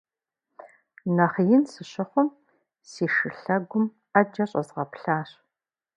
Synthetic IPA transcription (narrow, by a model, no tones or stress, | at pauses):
nɐχjɪnsɨɕɪχʷʊm | siːʂɨɬɐɡʷʊm | ɐd͡ʒɐɕʼɐzʁɐpɬaːɕ